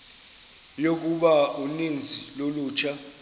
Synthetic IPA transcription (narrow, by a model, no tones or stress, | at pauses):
jok̬uɓaunend͡zʱiloluːt͡ʃʰa